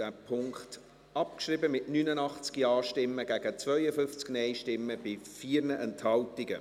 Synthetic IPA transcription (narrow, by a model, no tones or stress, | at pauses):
d̥æːpʰʊŋkt | ɑp̚kʃribəmɪtnynənɑχt͡skiɑːʃtɪmːəɡ̥æɡ̥ət͡svœʏəfʏft͡sknɛɪʃtɪmːəb̥ɪfiːɾnəʔɛnthɑltiɡə